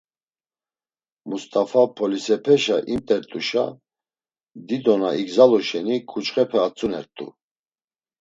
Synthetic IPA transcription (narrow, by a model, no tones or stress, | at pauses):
must̪ʼafapʰɔlisɛpʰɛʃaʔimt̪ʼɛɾt̪ʼuʃa̰ | d̪id̪ɔnaiɡzalɔʃɛnikʰut͡ʃʼχɛpʰɛat͡sʰʼunɛɾt̪ʼṵ